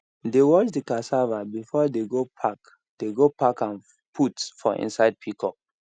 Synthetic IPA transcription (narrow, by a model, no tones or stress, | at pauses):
dewɔt͡ʃdikasavabifɔdeɡopʰak | d̥eɡopakãn | pʰutfɔʔḭ̃nsaɪd̚pʰikʰɔk̚